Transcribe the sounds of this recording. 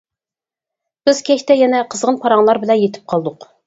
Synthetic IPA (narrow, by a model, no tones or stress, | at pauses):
b̥ɪz̥kʲʰɛʃt̪ɛjɛnɛqʰəzʁənpʰɑɾɑŋlˠɑɾbɪlɛnjet̪ʰɪ̥p̚qʰɑlˠd̪ʊq